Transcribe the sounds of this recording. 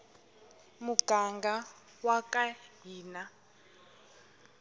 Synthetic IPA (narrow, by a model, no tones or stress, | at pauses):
muɡ̥ʱaŋɡʱa | wakʼaɦiːna